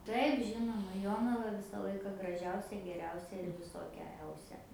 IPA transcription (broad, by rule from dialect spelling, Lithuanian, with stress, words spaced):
ˈtɐɪp ˈʒʲɪnoːmɐ ˈjoːnɐʋɐ ˈʋʲɪsɐ ˈlˠɐɪkɐ ɡrɐˈʒʲɛʊsʲɛ ɡʲɛˈrʲɛʊsʲɛ ɪr ʋʲɪˈsoːkʲɛ ˈɛʊsʲɛ